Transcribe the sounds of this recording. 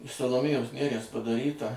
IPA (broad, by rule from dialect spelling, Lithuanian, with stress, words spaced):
ɪʃ sɐlˠoːˈmʲeːjoːs ˈnʲæːrʲiɛs pɐdɐˈrʲiːtɐ